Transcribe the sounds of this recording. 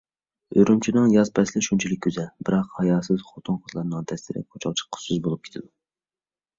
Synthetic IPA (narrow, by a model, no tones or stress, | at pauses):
øɾymt͡ʃʰinɨŋjɑzpʰɛslɪʃunt͡ʃʰilɪkʲʰːyzɛlbɪɾɑqhɑjɑːsɨz̥χot̪ʰunχʊt̪ʰlˠɑɾnɨŋt̪ʰɛslɪɾɪ̰qʰot͡ʃʰɑlˠt͡ʃʰɪ̥qʰːʊ̥sɨzbolˠup̚kʲe̥t̪ʰɪd̪u